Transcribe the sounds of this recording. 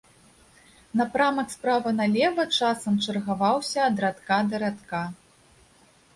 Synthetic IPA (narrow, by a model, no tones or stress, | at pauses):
nɐpɾamɐkspɾavɐnalʲɛvɐt͡ʂasɐmt͡ʂɐrɣavawsʲɐːd̪ɾat̪kad̪ɐɾat̪ka